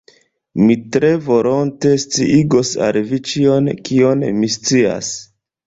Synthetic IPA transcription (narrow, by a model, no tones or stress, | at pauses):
mitɾe̞vo̞ɾonte̞st͡siʔiɡosa̰lvit͡ʃio̞nkio̞nmist͡sia̰s